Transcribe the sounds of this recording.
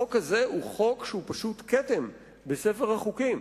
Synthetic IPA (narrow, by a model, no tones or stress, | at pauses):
okhaze̞uχo̞kʃehupaʃutketem | bese̞feʁhaχukim